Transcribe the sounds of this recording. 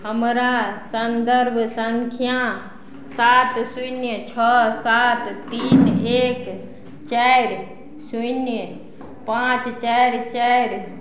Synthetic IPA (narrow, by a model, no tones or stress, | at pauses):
ɦəmɾasənd̪əɾbʱsəŋkʰijã | saːt̪sujnjət͡ʃʰəsat̪t̪iːneːk | t͡ʃɛɾ | sujnjə | pãt͡ʃt͡ʃɛɪɾt͡ʃɛɾ